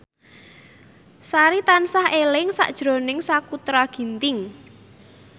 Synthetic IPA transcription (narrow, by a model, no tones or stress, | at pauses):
saɾit̪ansahelɪŋsa̰ʔd̥ʒ̥ɾo̤nɪŋsakut̪ɾaɡ̥i̤nt̪ɪŋ